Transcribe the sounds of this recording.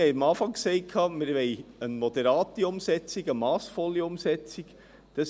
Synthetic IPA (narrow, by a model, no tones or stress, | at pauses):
hɛjɑmɑːfɑŋksɛɪt̚kʰɑːmɪɾʋɛɪənmɔd̪ɛɾɑːt̪iʊmsɛt͡siɡəmɑːsfɔliʊmsɛt͡sik | d̥ɑs